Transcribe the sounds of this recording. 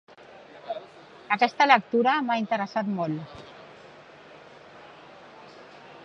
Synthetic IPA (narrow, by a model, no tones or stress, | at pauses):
akɛst̪alək̚t̪uɾamaint̪əɾəsat̪mol